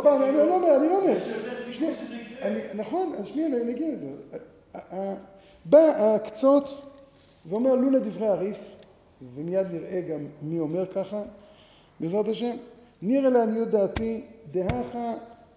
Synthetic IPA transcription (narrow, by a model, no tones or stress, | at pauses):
banianilomeanilomeʁʃniaaninaχo̞nazʃniannaɡieze | a | baakt͡so̞t̪ | veo̞meʁluled̪ivʁejaʁif | vemijad̪niʁe̞ɡamːio̞me̞ʁkaχa | biezʁat̪aʃe̞m | niʁeleanijut̪̚d̪aːt̪id̪eɦaχa